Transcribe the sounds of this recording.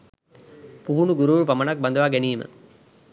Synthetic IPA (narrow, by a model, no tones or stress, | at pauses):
puɦunuɡuɾuɻpɐmɐnɐk̚bɐnd̪ɐʋaːɡeniːmɨ̰